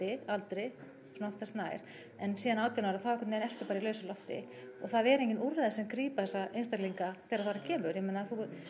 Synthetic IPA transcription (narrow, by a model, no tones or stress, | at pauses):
ɪalt̪ɾej | sunaɔft̪ast̪naːjɾ̥ | ɛnsiːðanaːwt̪jɛnaɾaθawɛkʰʏt̪nejnɛft̪ʏɾpaːɾailœɥsalɔft̪ɪ̰ | ɔ̰ɣθaðɛɾeɲcɪnuɾːaðɪsɛmkɾiːpaθɛsaʔejnst̪akliŋkaθɛɾaðfaːɾacʰɛːmʏɾjɛmeːnaθuʏɾ